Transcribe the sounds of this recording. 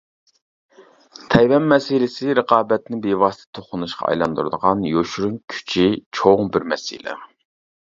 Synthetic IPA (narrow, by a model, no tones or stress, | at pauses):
t̪ʰɛjwɛnmɛsɪlɪsɪɾəqɑːbɛt̪nɪbevɑst̪ʰɛ̥t̪ʰoχʊnuʃqʰɑ̰ɑ̰jlˠɑnd̪uɾɨd̪əʁɑnjoʃɾunkʲʰy̥t͡ʃʰit͡ʃʰoŋbɪɾmɛsḭlɛ̰